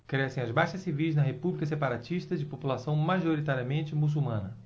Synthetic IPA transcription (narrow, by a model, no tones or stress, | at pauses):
kɾɛsẽj̃ɐzbajʃɐsivijznɐɦepublikɐs̬epaɾat͡ʃiʃt̪ɐd͡ʒɪpopulasɐ̃w̃maʒoɾit̪aɾiɐmẽnt͡ʃɪmus̬umɐ̃nɐ